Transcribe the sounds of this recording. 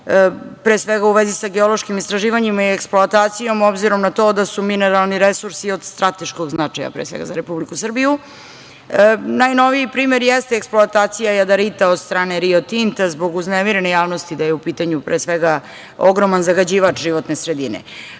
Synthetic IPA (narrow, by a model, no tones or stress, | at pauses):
pɾeːsʋeɡauʋezisaɡeolˠo̞ʃkimist̪ɾaʒiːʋaɲimaieksploat̪aːt̪sijo̞mo̞bziɾo̞mnat̪o̞d̪asumine̞ɾalˠniɾesuɾsio̞d̪st̪ɾat̪e̞ʃko̞ɡznat͡ʂaja̰pɾeːsʋḛɡa̰zaɾepublikusr̩biju | najno̞ʋijipɾiːmeɾjɛst̪eːksploat̪aːt̪sijajad̪aɾit̪aod̪st̪ɾaːneɾiot̪int̪azbo̞ɡuznemiɾenejaːʋnost̪id̪ajeupit̪aɲupɾeːsʋeɡa | oɡɾo̞manzaɡad͡ʑiːʋat͡ʃʒiʋo̞t̪nesɾe̞d̪inḛ